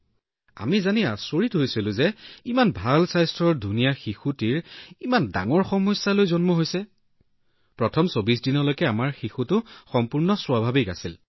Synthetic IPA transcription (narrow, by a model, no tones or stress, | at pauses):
a̰mizaniasoɹitɦojsilʊ̃zɛimanbʱalsajstɹɔɹdʱunijaxixutiɹimanda̰ŋɔɹxɔmɔjsːalojzɔnmɔɦojsɛ | pɹɔtʰɔmsobis̬dinɔlojkɛamaɹxixutʊxɔmpuɹnɔswabʱabika̰sil